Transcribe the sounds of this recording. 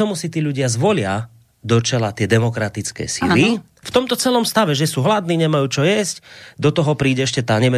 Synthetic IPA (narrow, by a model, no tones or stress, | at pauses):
ɔmusit̪iːʎuɟɪazʋɔlɪa | d̪ɔt͡ʃɛlat̪ɪɛd̪ɛmɔkɾat̪it͡skɛ̰ːsili | ft̪ɔmt̪ɔt͡sɛlɔmst̪aʋɛʒɛsuːɦlad̪niːɲɛmajuːt͡ʃɔjɛscd̪ɔt̪ɔɦɔpɾiːɟɛɛʃcɛt̪aːɲɛmɛ